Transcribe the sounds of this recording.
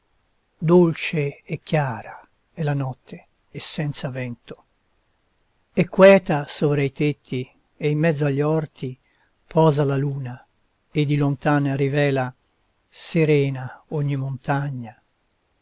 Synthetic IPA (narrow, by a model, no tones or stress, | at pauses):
d̪olt͡ʃeɛkːjaːɾa | ɛlanɔt̪ʰːeː | sːɛnt̪savɛnt̪o̥ | ekːwɛːt̪asoːvɾait̪et̪ʰːi | eimːɛd̪zːoaʎːɔrt̪ʰi | pʰɔːzalaluːna | ed̪ːilont̪aːnarivɛːla | seɾɛːnaoɲːimont̪aɲːa